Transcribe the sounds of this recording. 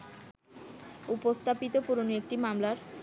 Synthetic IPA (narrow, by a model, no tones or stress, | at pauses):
upost̪ʰapit̪opuɾoniek̚ʈimamlaɾ